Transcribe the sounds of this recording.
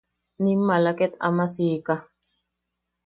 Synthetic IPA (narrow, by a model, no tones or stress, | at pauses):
nimːalakɛt̪a̰masiːka